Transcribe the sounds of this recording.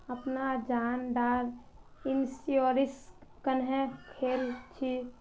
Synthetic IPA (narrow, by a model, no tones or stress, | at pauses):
əpnad͡ʒaːnɖaːɾ | insioːɾiskənɦẽkʰeːlt͡ʃʰi